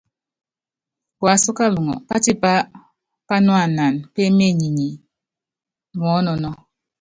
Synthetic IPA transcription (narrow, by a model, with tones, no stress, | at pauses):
kwa˨˦so˦ka˦lu˨ŋɔ̰˨pa˦ti˦pa˦ | pa˦nwa˨na˨npe˦me˦˨ɲi˨ɲi˨ | ŋɔ˨˦nɔ˨nɔ˦